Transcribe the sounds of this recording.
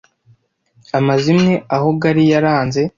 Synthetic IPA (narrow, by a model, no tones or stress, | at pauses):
amazimŋe̞aɦo̞ɡaɾijaɾaːnze̞